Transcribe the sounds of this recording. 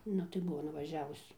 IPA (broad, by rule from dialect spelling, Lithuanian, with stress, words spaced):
ˈnʊ tɐɪ ˈbʊʋoː nʊʋɐˈʒʲæːʋʊs